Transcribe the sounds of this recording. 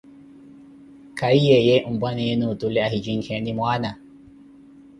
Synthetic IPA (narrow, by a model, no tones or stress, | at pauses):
kaijejeʔumbwanɛjenutulɛaɦid͡ʒiŋkʰenimwaːna